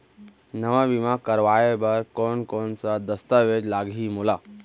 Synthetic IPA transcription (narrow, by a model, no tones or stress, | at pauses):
nəʋaʋimãkəɾʋaːjebəɾkonkonsad̪əst̪əʋed͡ʒlaːɡʱimulaː